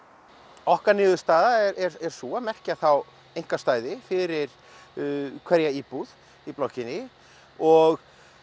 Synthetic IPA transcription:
ɔhkanɪːðʏst̪aːðaɛɾɛɾɛɾ̥suamɛr̥cɪaθaw | ejŋ̥kast̪aːjðɪfɪɾɪɾ̥ | kʰvɛɾjaiːpuð | iplɔwhcɪnɪ | ɔɣ

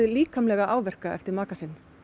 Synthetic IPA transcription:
ðliːkʰamlɛːɣaʔaːwvɛr̥kaɛ̰ft̪ɪɾmaːkasɪnː

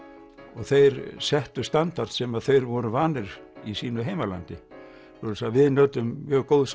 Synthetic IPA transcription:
ɔɣθejɾsɛht̪ʏst̪ant̪aɾ̥t̪sɛmaðθejɾvɔɾʏvaːnɪɾ̥ | isiːnʏɦejmala̰nt̪ɪ | ɔɾʏsavɪðnœːɥt̪ʏmːjœːɣkowðs

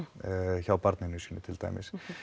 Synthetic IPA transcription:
çawpaɾt̪nɪnʏscʏnʏt̪ʰɪlt̪ʰa̰jmɪ̰s

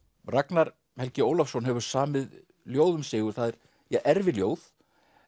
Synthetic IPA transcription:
raknaɾ | hɛlcɪoːwlafsɔnɦɛvʏɾ̥saːmɪð | ljoːwðʏmsɪːɣʏɾ̥θaːðɛɾ̥ | jɛɣʔɛɾvɪljoːwð

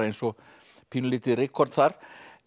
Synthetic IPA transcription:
ejnsɔ | pʰiːnʏlɪːt̪ɪrɪkʰːɔɾt̪θaɾ̥

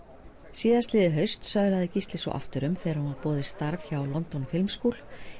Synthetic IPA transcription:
siːðast̪lɪːðɪɦœɥst̪sœɣlaðɪcist̪lɪsɔ̰ʔa̰ft̪ʏɾʏmθeɛɾhunapɔːðɪst̪aɾvçawlɔnt̪ɔnfɪlmskuːl̥

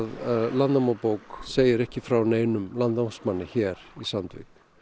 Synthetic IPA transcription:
ðlanamawpoːwkseːjɪɾɛhcɪfɾawneːjnʏmlanasmanːɪçɛːɾ̥isant̪vɪ̰k

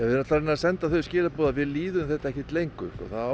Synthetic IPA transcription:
ɛvɪðnɔt̪laɾɛnːasɛnt̪aθœscɪːlapɔːðaðvɪðliːðʏmθɛht̪aɛhcɪt̪lejŋkʏʏ̰hkɔ̰θa

